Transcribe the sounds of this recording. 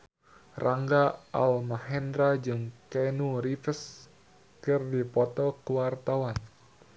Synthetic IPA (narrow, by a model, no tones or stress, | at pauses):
rʔaŋɡaʔa̰lmahɛndɾad͡ʒɨŋkɛnuɾifəs | kɨrdipɔt̪ɔkəwart̪awan